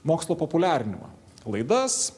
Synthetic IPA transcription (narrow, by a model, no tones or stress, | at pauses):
moːkslˠoːpopʊlʲæːɾʲɪnʲɪmɐ̰ | lˠɐɪd̪ɐs